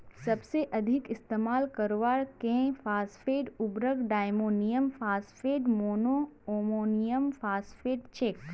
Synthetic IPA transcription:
sɐbseʔɐd̪ʱɪkɪst̪eːmaːlkɐɾʋaːɾkẽfaːsfeːɖʊbɾəɡɖaːjmoːnijəmfaːsfeːɖmoːnoːoːmoːnijəmfaːsfeːɖt͡ʃeːk

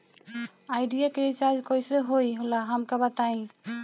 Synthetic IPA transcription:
aɪɖijaket͡ʃad͡ʒkoiseɦoiɦolaɦəmkabət̪aĩ

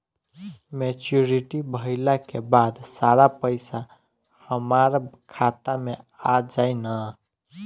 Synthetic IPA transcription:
met͡ʃuɾiʈibʱəɦilakebad̪saɾapəɪsa | həmaɾkʰat̪amead͡ʒaɪnə

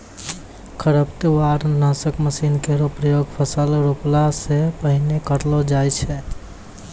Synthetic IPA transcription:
kʰəɾəpt̪eaɾnasəkməsinkeɾopɾəjoɡpʰəsəlɾuplasepəɦinekəɾlɔd͡ʒajt͡ʃʰɛ

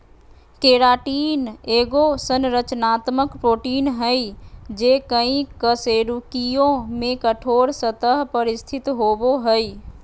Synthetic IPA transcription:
keɾaʈiːneɡosənɾət͡ʃnat̪məkpɾoʈinɦəjd͡ʒekəĩkəseɾukijõmekəʈʰoɾsət̪əɦpəɾist̪ʰit̪ɦoboɦəj

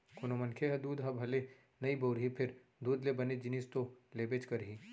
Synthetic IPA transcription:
kʊnomɐ̃nkʰeɦɐd̪uːd̪ɦɐbʱɐle | nɐiboʊɾɦipʰɪɾ | d̪uːd̪lebɐned͡ʒɪnist̪oleːbeːt͡ʃkɐɾɦiː

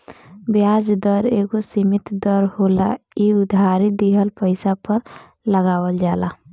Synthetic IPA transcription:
bjaːd͡ʒd̪əɾeːɡosimɪt̪d̪əɾhoːla̰iʊd̪ʱaːɾid̪iɦəlpəɪsapəɾ | ləɡaːwəld͡ʒaːla

